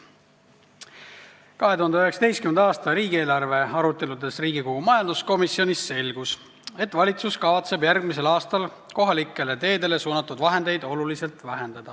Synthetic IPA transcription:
kɑɦe̞t̪uhɑnd̪eøe̞ksɑ̥t̪e̞jst̪kymend̪ɑːst̪ɑɾiːɡie̞ːlɑrve̞ɑɾut̪ːe̞lud̪e̞sriːɡikoɡ̥umɑjɑnd̪̥usko̞misio̞nisːe̞lɡ̥us | e̞t̪ːˑvɑlʲit̪suskɑvɑt̪se̞bjærɡmise̞lɑːst̪ɑl | ko̞ɦɑlikːˑe̞le̞t̪e̞ːd̪e̞le̞suːnɑt̪ːˑud̪vɑɦe̞nd̪e̞jd̪̥o̞lulise̞lt̪væɦend̪ɑd̪̥ɑ

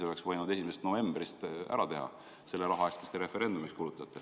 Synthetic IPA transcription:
eo̞le̞ksvɤ̞jnud̪e̞sʲimesest̪nove̞mbrist̪æ̰ɾɑt̪e̞ɦɑ̰ | se̞lːeɾɑɦɑest̪mi̥st̪eɾe̞fe̞ɾe̞nd̪̥umikskulut̪ːˑɑt̪ːˑe

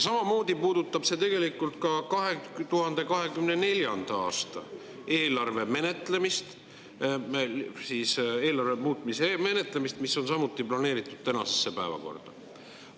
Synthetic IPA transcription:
sɑmɑmo̞ːd̪̥ipuːd̪ut̪ːˑɑb̥se̞t̪e̞ɡ̥e̞likːˑult̪kɑkɑɦe̞t̪uhɑnd̪̥e̞kɑɦe̞kymne̞ne̞lʲjɑnd̪̥ɑɑ̰ːst̪ɑ̰ | e̞ːlɑrve̞me̞ne̞t̪le̞mist̪ | siːse̞ːlɑrve̞muːt̪ˑmiseme̞ne̞t̪ˑle̞mist̪misːo̞nsɑmut̪ːˑiplɑne̞ːɾit̪ˑːud̥̪̚t̪ænɑ̰sesːepæevɑ̰ko̞̰rd̪̥ɑ

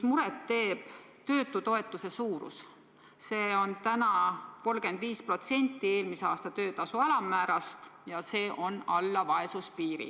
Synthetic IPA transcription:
muɾet̪ːe̞ːb̥ | t̪ø̞ːt̪ːˑut̪o̞e̞t̪ˑːuse̞suːɾṵs | se̞ːo̞nt̪ænɑko̞lɡ̥e̞nd̪viːspro̞t̪se̞nʲt̪ːˑie̞ːlmiseɑːst̪ɑt̪ø̞ːt̪ɑsuælɑmːæːɾɑst̪jɑse̞ːʔo̞nɑlːɑvɑe̞suspiːɾḭ

